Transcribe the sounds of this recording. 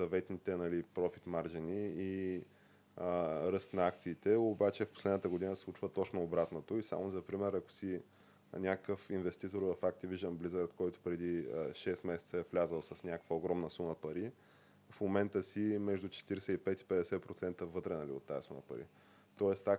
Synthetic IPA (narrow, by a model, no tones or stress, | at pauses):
sɐvɛt̪nit̪ɛnɐlipɾɔfit̪maɾʒiniː | ɾɤst̪nɐakt̪siːt̪ɛobat͡ʃɛfpo̥slɛd̪nət̪əɡod̪inəslˠut͡ʃvət̪ɔt͡ʃnoobɾat̪not̪oisa̰mozɐpɾimɛɾɐkʊ̥si | nʲakkʰəfinvɛst̪it̪oɾvɐfak̚t̪iviʒd̪əmblizəot̪kɔjt̪ʊ̥pɾɛd̪iʃɛst̪mɛsɛt̪səɛflʲazəlˠsɐsnʲakəkvəoɡɾɔmnəsuməpɐɾi | fmomɛnt̪əsimɛʒd̪ut͡ʃɛ̥t̪iɾɛsɛipɛt̪i̥pɛd̪ɛsɛpɾot̪sɛnt̪əvɤt̪ɾɛnɐlḭo̰t̪ːaəsumə̰pɐ̰ɾḭ | t̪ɔɛst̪ak